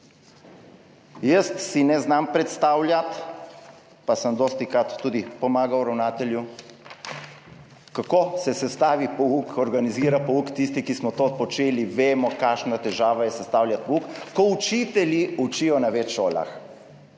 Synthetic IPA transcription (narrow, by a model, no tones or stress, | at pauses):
jəst̪sinɛznampɾɛt̪st̪aːwljat̪ | pasəmd̪oːst̪ikɾat̪ːuːd̪ipɔmaːɡawɾawnaːt̪ɛlju | kakosɛsɛst̪aːʋipɔukɔɾɡaniziːɾapɔukt̪ist̪ikismɔt̪opɔt͡ʃeːliʋeːmɔkaːʃnat̪ɛʒaːʋajɛsɛst̪aːwljat̪̚pɔukkɔut͡ʃit̪ɛliut͡ʃijɔnaʋɛt͡ʃʃoːla̰x